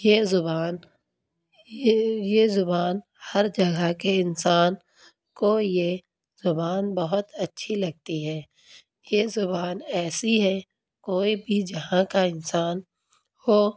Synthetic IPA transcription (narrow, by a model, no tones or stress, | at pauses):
jezʊbaːn | jezʊbaːn | hɐɾd͡ʒɐɡʱakeɪnsaːn | koje | zʊbaːnbɐɦʊt̪ɐtːʃʰilɐɡ̚t̪iɦɛː | jezʊbaːnɛːsiɦɛ | koːibʱid͡ʒɐɦãkaɪnsaːn | hoː